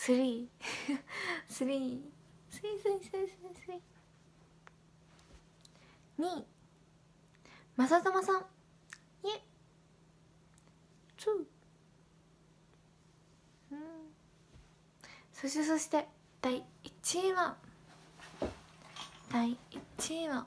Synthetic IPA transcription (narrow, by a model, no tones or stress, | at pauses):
sɨɾʲiː | sɨɾʲiː | sɨɾʲiːsɨɾʲisɨɾʲisɨɾʲisɨɾʲiː | ɲ̟i | masat̪amasãŋ | ie | t͡sɯ | ɯ̃ | soɕi̥t̪eso̞ɕi̥t̪e̞ | d̪̥aiit͡ɕieβa | d̪̥aiit͡ɕiβa